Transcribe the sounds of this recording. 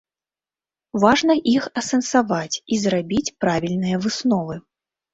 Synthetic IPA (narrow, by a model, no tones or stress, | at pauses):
vaʐnɐʔixɐsɐnsavat͡sʲizɾabʲit͡sʲpɾavʲilʲnɨjɐvɨsnɔvɨ